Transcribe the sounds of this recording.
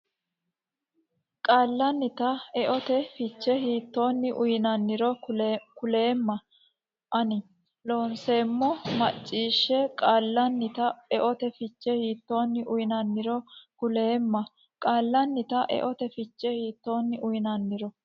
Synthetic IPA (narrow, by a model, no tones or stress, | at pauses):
kʼaːlːɐnːɪt̪ɐɛʔɔt̪ɛfɪt͡ʃːɛhiːt̪ːo̞ːnːɪʔʊjɪnɐnːɪɾɔkʊle̞ːmːɐ | ʔɐnɪ | lo̞ːnse̞ːmːɔmɐt͡ʃʼːiːʃːɛkʼaːlːɐnːɪt̪ɐɛʔɔt̪ɛfɪt͡ʃːɛhiːt̪ːo̞ːnːɪʔʊjɪnɐnːɪɾɔkʊle̞ːmːɐ | kʼaːlːɐnːɪt̪ɐʔɛ̰ʔɔt̪ɛfɪt͡ʃːɛhiːt̪ːo̞ːnːɪʔʊjɪnɐnːɪɾɔ